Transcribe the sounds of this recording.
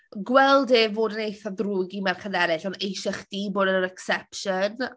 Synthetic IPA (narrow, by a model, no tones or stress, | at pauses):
ɡwɛlˠdɪvoːdənejθaðruːɡimarkʰəðɛɾɪɬɔnejʃɪχd̥iːboːdəəɾɛksɛpʃən